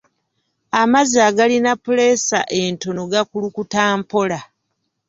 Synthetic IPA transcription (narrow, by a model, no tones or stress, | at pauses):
amazaːɡalinapule̞sa̰ʔe̞nto̞no̞ɡakulukutaːmpo̞la